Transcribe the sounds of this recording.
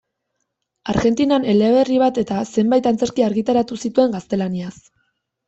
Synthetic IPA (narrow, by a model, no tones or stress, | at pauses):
aɾɣe̞nt̪inane̞le̞βe̞riβ̞at̪e̞t̪ase̞mbajt̪ant͡se̞ɾkiaɾɣit̪aɾat̪usit̪ue̞ŋɡast̪e̞lanias